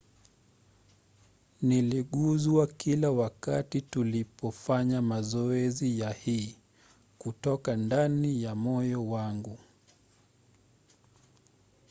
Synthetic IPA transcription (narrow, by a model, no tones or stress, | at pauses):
niliɠuzuakilawakatitulipɔfaɲamazɔɛzijahiː | kutɔkandanijamɔjɔwaŋɡu